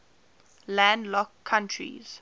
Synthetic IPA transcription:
lãndlɔkʰːãntʰɹḭz̥

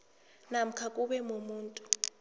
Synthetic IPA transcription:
nam̩kʰakʼuɓɛmomuːntʼu

